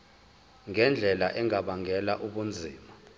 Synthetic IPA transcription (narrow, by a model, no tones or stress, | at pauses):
ŋɛnd͡ɮʱɛlaʔɛŋaɓaŋɛlaʔuɓund͡zʱiːma